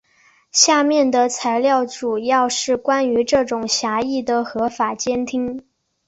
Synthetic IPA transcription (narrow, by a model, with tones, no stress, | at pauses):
ɕja˥˧mjɛ˥˩nd̪ə˩t͡sʰa˧˥ɪljɑ˥˩ʊʈ͡ʂu˨˩jɑ˥˧ʊʂɻ̩˥˩kwa˥ny˧˥ʈ͡ʂɤ˥˩ʈ͡ʂʊ˨˩ŋɕja˧˥i˥˩d̪ə˩xɤ˧˥fa˨˩t͡ɕjɛ˥nt̪ʰi˥ŋ